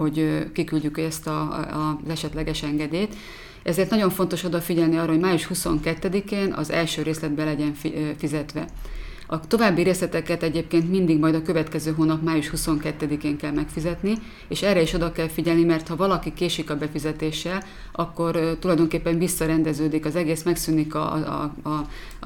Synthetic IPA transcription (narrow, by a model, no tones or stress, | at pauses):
o̞ɟkikylɟykɛst̪ɒzɛʃɛt̪lɛɡɛʃɛŋɡɛd̪eːt̪ | ɛzeːrt̪nɒɟo̞ɱfo̞nt̪o̞ʃo̞d̪ɒfiɟɛlniɒːrːɒɦo̞ɟmaːjuʃhuso̞ŋkɛt̪ːɛd̪ikeːnɒ̰zɛ̰lʃøːɾeːslɛd̪̚bɛlɛɟɛɱffizɛt̪ʋɛ̰ | ɒt̪o̞vaːbːiɾeːslɛt̪ɛkɛt̪ɛɟeːp̚keːnt̪mind̪iɡmɒjd̪ɒkøvɛt̪kɛzøːɦoːnɒpmaːjuʃhuso̞ŋkɛt̪ːɛd̪ikeːŋkɛlmɛkfizɛt̪ni | eːʃɛrːɛiʃo̞d̪ɒkɛlfiɟɛlnimɛrt̪hɒvɒlɒkikeːʃikɒbɛfizɛt̪eːʃːɛl | ɒkːo̞rt̪ulɒjd̪o̞ŋkeːpːɛɱvisːɒɾɛnd̪ɛzøːd̪ikɒzɛɡeːsmɛksynikɒ̰